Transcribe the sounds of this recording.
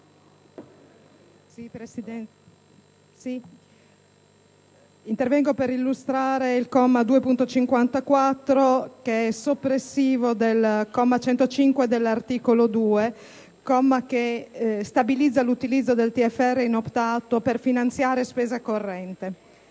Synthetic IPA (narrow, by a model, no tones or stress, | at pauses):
peiɛ | si | int̪ervɛŋɡopeɾilːust̪ɾaːɾeilkɔmːad̪uːepunt̪ot͡ʃiŋkwant̪akwat̪ːɾokeɛsopːɾesːiːvod̪elkɔmːat͡ʃɛnt̪ot͡ʃiŋkwed̪elːart̪iːkolod̪uːe | kɔmːakest̪abilid̪zːalut̪ilid̪zːod̪elt̪iɛfːɛrːeinopt̪aːt̪operfinant̪sjaːɾespeːzakorːɛnt̪e